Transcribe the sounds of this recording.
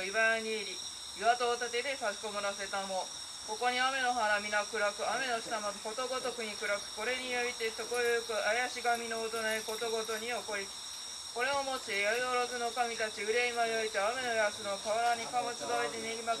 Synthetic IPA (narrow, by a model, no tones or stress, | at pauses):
ibajaɲ̟iːɾʲi | iβat̪o̞ːt̪at̪e̞d̪e̞saɕi̥komoɾase̞t̪amo̞ | ko̞ko̞ɲ̟iame̞no̞ɦaɾamʲinakɯ̟ɾakɯ̟ame̞no̞ɕi̥t̪amad̪oho̞t̪o̞ɡo̞t̪o̞kɯ̟ɲ̟ikɯ̟ɾakɯ̟̥ko̞ɾe̞ɲ̟ijoit̪etokojojokɯ̟ʔajaɕiɡamʲino̞ːt̪onaeko̞t̪o̞ɡo̞t̪o̞ɲ̟ioko̞ɾʲit͡si̥ | ko̞ɾe̞omo̞t͡ɕijaioɾozɨno̞kamʲit̪at͡ɕiɯ̟ɾeimajoit̪aːme̞no̞jasɨno̞kaβaɾaɲ̟ikamot͡sɨd̪aet̪enʲeɾʲima